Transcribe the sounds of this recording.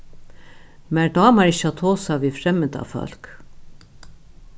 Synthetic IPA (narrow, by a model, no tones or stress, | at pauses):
mæɖɑːmɑɾɪɕɑt̪ʰoːsɑʋiːfɾɛməd̪ɑ̰fœ̰lk